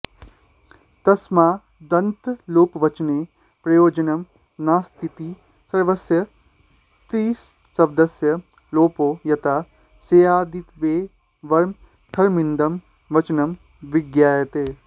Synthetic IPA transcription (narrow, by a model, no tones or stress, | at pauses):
t̪ɐsmaː | d̪ɐnt̪loːpʋɐt͡ʃneː | pɾɐjoːd͡ʒənɐm | naːst̪ʰit̪iː | sɐɾʋəsjɐ | t̪ɾiːs | sɐbd̪ɐsjɐ | loːpoːjɐt̪a | seːaːd̪it̪ʋeː | ʋɐɾm | t̪ʰɐɾmɪ̃nd̪ɐm | ʋɐt͡ʃnɐm | ʋɪɡjaːjɐt̪eː